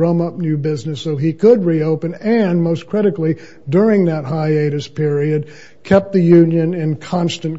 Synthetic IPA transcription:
ɹʌ̃mʌp̚njʉbɪznɨsoʊikʰəd̚ɹioʊpɨ̃nɨ̃nmoʊskʰɹ̥ɪɾɨkˡli | dʊɹɪ̃ŋðət̚ɦaɪeɪɾɨspʰɪɹiɨd̚ | kʰɛp̚t̪̚ðɨjʉ̃njɨ̃nɪ̃nkʰɑ̃nstɨ̃n

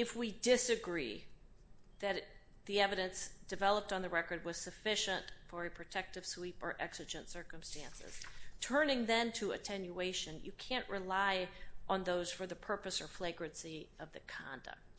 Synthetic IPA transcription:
ɨfwidɪsɨɡɹi | ðɨɾ | ðiɛvɨɾɨ̃nsd̥ɨvɛlˠəp̚tn̩ðəɹɛkə˞d̚wʌz̥sɨfɪʃɨ̃ntfə˞ɨpʰɹ̥ɨtʰɛk̚tɨv̥swipə̰˞ʔɛksɨd͡ʒɨ̃ntsɜ˞kə̃mstæ̃nsɪ̰z̥tʰɜ̃˞nɪ̃ŋðɨ̃ntʰɨɨ̰tʰɛ̃njueɪʃɨ̃njɨkʰæ̃nʔɹʔɪlaɪʔə̃nðoʊz̥fə˞ðɨpʰɜ˞pɨsə˞fleɪɡɹɨ̃nsiʔʌvðɨkʰɑ̰̃ndɨ̰k̚t̚

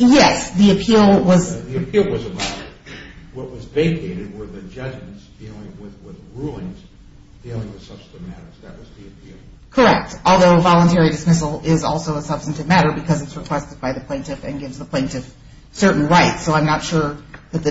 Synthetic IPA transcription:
jɛsðiɨpʰilˠwʌzðiɨpʰilˠwʌzɨmæɾəwʌʔ̚wʌzveɪkʰeɪɾɨd̚wə˞ðɨd͡ʒʌd͡ʒm̃n̩sd̥ilˠɪ̃ŋwɪðwɪðɹulˠɪ̃ŋz̥ | d̥ilˠɪ̃ŋwɨð̥sʌb̥stkɨvmæ̰ɾə̰˞z̥ðɨʔ̚wʌzðiɨpʰilˠ | kʰə˞ɛk̚tɔlˠðoʊvɑlˠə̃ntʰɛɹidɨsmɪsl̩ˠɪzɔlˠsoʊəsʌb̥stɨntɨvmæɾə˞bɨkʰʌzɨtsɹɨkʰw̥ɛstɨd̚baɪðɨpʰl̥ẽɪ̃ntɨfɨ̰̃nɡɪvzðəpʰl̥ẽɪ̃ntɨf | sɜ˞ʔn̩ɹaɪtsoʊãɪ̃mnətʃʊɹðɨt̪̚ðɨ

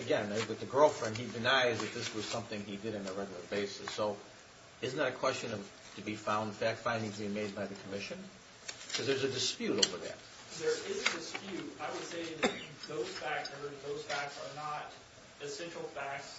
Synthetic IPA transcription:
ɨɡɛ̃nɨwɨt̪̚ðɨɡɜ˞lˠfɹɛ̃nd̚idɨnaɪzðɨt̪̚ðɪswʌz̥sʌ̃mθɪ̃ŋidɨɾɨ̃nəɹɛɡl̩ˠə˞beɪsɨsoʊ | ɨzn̩ðɨɾɨkʰw̥ɛst͡ʃɨ̃nʌv̥ | tʰɨbifãʊ̃nd̥fæk̚tfãɪ̃ndɪ̃ŋzʰbiɪ̃meɪd̚baɪðɨkʰəmɪʃɨ̃n | kʰʌzðə˞zɨdɨspjʉɾoʊvə˞ðɨ̰t̚ | ðə˞ɪzɨdɨspjʉtaɪwəd̥seɪðɨðoʊz̥fæk̚ə˞ðoʊz̥fæksə˞nəɾ | ɨsɛ̃nt͡ʃɹ̥l̩ˠfæks

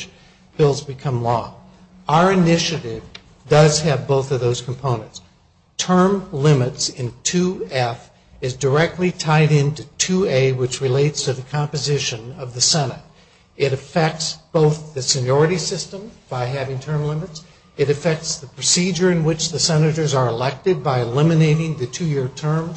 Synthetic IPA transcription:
b̥ɪlˠzbɨkʰʌ̃mlɔ | aʊə˞ɨnɪʃɨɾɪv | dʌz̥ɨvboʊθʌvðoʊz̥kʰm̩pʰõʊ̃nɨ̃nts | tʰɜ̃˞mlɪ̃mɨtsɪ̃ntʰʉɛf | ɨzdə˞ɛk̚tˡlitʰaɪɾɪ̃ntʉtʰʉeɪwɨt͡ʃɹɨleɪtstʰɨðɨkʰɑ̃mpɨzɪʃɨ̃nʌvðɨsɛnɨɾ | ɨɾɨfɛk̚tsb̥oʊθðɨsɨnjɔɹɨɾisɪstə̃mb̥aɪɦævɪ̃ŋtʰɜ̃˞mlɪ̃mɨts | ɨɾɨfɛk̚tsðɨpʰɹ̥ɨsid͡ʒə˞ɨ̃nwɨt͡ʃðɨsɛnɨɾə˞zə˞əlɛk̚tɨd̚baɪɨlɪ̃mɨneɪɾɪ̃ŋðɨtʰʉjɪɹtʰɜ̃˞mz

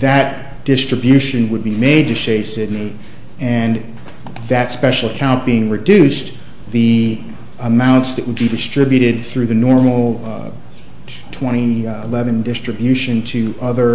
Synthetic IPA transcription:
ðɨt | d̥ɪstɹ̥ɨbjʉʃɨ̃nwəd̚bimeɪd̚tɨʃeɪsɪdⁿni | ɨ̃n | ðɨtspɛʃl̩ˠəkʰãʊ̃nb̥iɪ̃ŋɹɨdʉs | ði | əmãʊ̃ntsðɨʔ̚wəd̚bidɨstɹ̥ɪbjɨɾɪd̪̚θɹʉðɨnɔɹml̩ˠ | tʰw̥ɛ̃ɾ̃iɪlɛvɨ̃ndɪstɹ̥ɨbjʉʃɨ̃ntʰɨʔʌðə˞

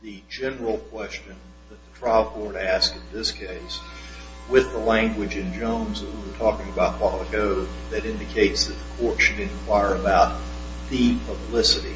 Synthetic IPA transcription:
ðɨd͡ʒɛnə˞l̩ˠkʰw̥ɛst͡ʃɨ̃n | ðɨt̪̚ðətʰɹ̥aɪlˠkʰɔɹɾæskɨ̃nðɪskʰeɪs | wɪðəlæ̃ŋɡwɨd͡ʒɨ̃nd͡ʒõʊ̃nzət̚wiwə˞tʰɔkɪ̃ŋɨbaʊt̚wɑlˠəkoʊðɨɾɪ̃ndɨkʰeɪtsðɨt̪̚ðəkʰɔɹtʃɨɾɨ̃nkʰw̥aɪə˞ɨbaʊt̪̚ | ðipʰəblɪsɨɾḭ

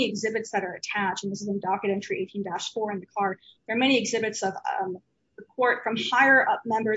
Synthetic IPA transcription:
iɨɡzɪbɨtsðɨɾə˞ɨtʰæt͡ʃn̩ðɪsɨzə̃ndɑkɨɾɛ̃nt͡ʃɹ̥iʔeɪtʰĩndæsfɔɹɨ̃nðɨkʰɑɹ | ðə˞mɛñiɨɡzɪbɨtsʌv | əkʰɔɹtfɹʌ̃mhaɪə˞ʔʌp̚mɛ̃mbə˞

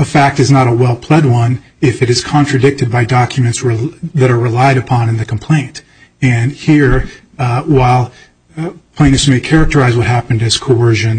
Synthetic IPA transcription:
əfæk̚tɨznəɾəwɛlˠpʰl̥ɛd̚wʌ̃n | ɪfɨɾɨz̥kʰɑ̃nt͡ʃɹ̥ɨdɪk̚tɨd̚baɪdɑkʰjɨmɨ̃ntsɹɨðɨɾə˞ɹɨlaɪɾɨpʰɑ̃nɨ̃nðɨkʰm̩pʰl̥ẽɪ̃nt | ɨ̃nhiɹ | waɪlˠ | pʰẽɪ̃nɨsmeɪkʰɛɹɨk̚tə˞aɪzwʌt̚hæpɨ̃n̩dɨz̥kʰoɜ˞ʒɨ̃n

